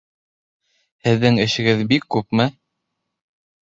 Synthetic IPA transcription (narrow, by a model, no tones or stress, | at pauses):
hɘ̆ðːɘŋɘ̆ʃɘ̆ɡɘðbikːʉpmɘ